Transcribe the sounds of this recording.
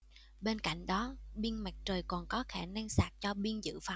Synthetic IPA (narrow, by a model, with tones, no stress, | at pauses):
ɓe˧nka̰˧˨jŋ̟ɗɔ˨˦ɓi˧ənma˨˩k̚t͡ɕəː˨˩jkɔ˨˩nkɔ˨˦xaː˧˩naː˧ŋsaː˨˩t̚t͡ɕɔ˧ɓi˧ənzɨ̰˧˨fa˨˩w